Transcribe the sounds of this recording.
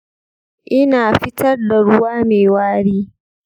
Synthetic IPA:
ʔɪ˦naː˨ɸɪ˦tɐ˦rda˨ɽʊ˦waː˦meː˨waː˦ɽiː˦

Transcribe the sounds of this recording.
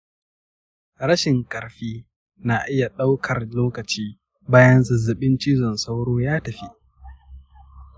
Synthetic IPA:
ɾɐ˦ʃɪ˨ŋkʼɐ˨ɾɸiː˦ | na˨ʔɪ˦ja˨ɗa˦wkʰɐ˨rloː˦kɐ˨t͡ʃiː˦ | baː˦jɐ˦nzɐ˨zːɐ˨ɓɪ˦nt͡ʃiː˦zɔ˨nsa˦wɽoː˦jaː˦tɐ˨ɸi˦ʔ

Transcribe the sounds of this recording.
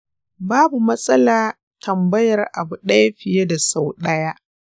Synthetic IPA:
baː˦bu˨mɐ˦sʼɐ˦laː˨ | tʰɐ˨mbɐ˦jɐ˨rʔa˨bu˨ɗɐ˦jɸɪ˨je˦da˨sa˨wɗɐ˦jaː˦ʔ

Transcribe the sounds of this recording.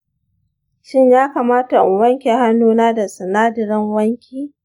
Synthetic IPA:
ʃɪ˦ɲjaː˦kaː˨maː˦ta˨ʔʊ˨wɐ˦ŋkʲeː˨ha˦nːuː˦naː˦da˨sɐ˨naː˦dɪ˨ɾɐ˦ŋwɐ˦ŋkʲiː˦

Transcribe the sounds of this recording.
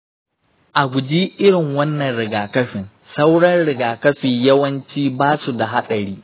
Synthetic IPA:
ʔa˨ɡʷʊ˨d͡ʒiː˦ʔɪ˦ɽɪ˨ŋwɐ˦nːɐ˨nɽɪ˨ɡaː˨kɐ˦ɸɪ˨n | sɐ˦wɽɐ˦nɽɪ˨ɡaː˨kɐ˦ɸiː˨jɐ˦wɐ˦nt͡ʃiː˦baː˦su˨da˨ɦa˦ɗɐ˨ɾiː˦

